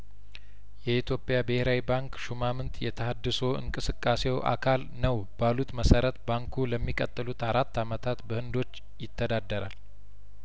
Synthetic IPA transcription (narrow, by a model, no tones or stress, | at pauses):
jɛit̪ʰjo̞pʼjabeheɾawibaŋkʃumamɨnt̪jɛt̪ʰəɦad̪ːɨso̞ɨ̰ŋkʼɨsɨkʼːase̞wʔa̰kʰalnəwb̥alut̪məsəɾət̪baŋkʰuləmːikʼət̪ʼːɨlut̪aɾat̪ːamət̪ʰat̪bəhɨnd̪o̞t͡ʃː | jɪt̪ʰːəd̪ad̪ːəɾa̰l